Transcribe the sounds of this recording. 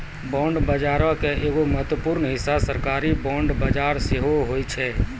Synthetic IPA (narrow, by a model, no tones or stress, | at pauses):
bɔ̃ːɳɖbəd͡ʒaːɾə̃keʔeːɡoməɦt̪wəpuɾnɦɪsːasəɾkaːɾibɔ̃ːɳɖbəd͡ʒaːɾseɦoɦoːjt͡ʃʰɛ